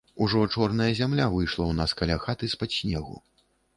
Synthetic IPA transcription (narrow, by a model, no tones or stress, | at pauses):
uʐɔt͡ʂɔrnɐjɐzʲamlʲavɨjʂlˠɐwnaskɐalʲaxat̪ɨspasʲnʲɛɣṵ